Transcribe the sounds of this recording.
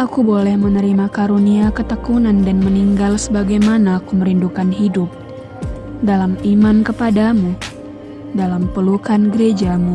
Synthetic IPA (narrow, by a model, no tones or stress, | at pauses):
ʔakubolɛhmənəɾimakaɾuniakət̪əkunandanməniŋɡalsəbaɡajmanaːkuməɾindukanɦidʊp̚ | dalamimankəpadamu | dalampəlukanɡəɾed͡ʒamu